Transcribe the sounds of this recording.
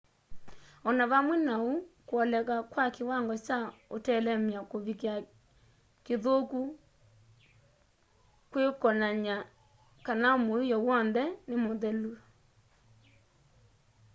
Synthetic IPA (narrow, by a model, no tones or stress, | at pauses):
ɔnaβamwɛnaukwɔlɛkakwakewaŋɡɔt͡ʃaotɛlɛmjakoβikea | keðoku | kwekɔnaɲa | kanaomoijɔwɔnðɛnemoðɛlua